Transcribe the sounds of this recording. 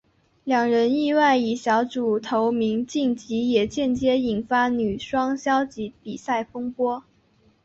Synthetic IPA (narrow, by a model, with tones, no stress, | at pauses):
ljɑ˨˩ŋɻə˧˥ni˥˧wa˥˩ɪi˨˩ɕjɑ˧˥ʊʈ͡ʂu˨˩t̪ʰo˧˥ʊmi˧˥ŋt͡ɕi˥˩ŋt͡ɕi˧˥jɛ˨˩t͡ɕjɛ˥˩nt͡ɕjɛ˥i˨˩nfa˥ny˨˩ʂwɑ˥ŋɕjɑ˥ʊt͡ɕi˧˥pi˨˩sa˥˩ɪfɤ˥ŋpwɔ˥